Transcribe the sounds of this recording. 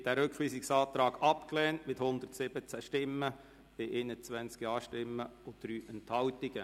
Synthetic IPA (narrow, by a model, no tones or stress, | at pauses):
d̥æɾʏkχʋiːsiksɑːt̪ɾɑːɡ̥ɑpklɛːntmɪthʊnd̪ərtsɪb̥ət͡sæʃtɪmːə | b̥ɪʔenət͡sʋænt͡skiɑːʃtɪmːəʊd̥ɾyːʔɛnthɑwtɪɡ̥ə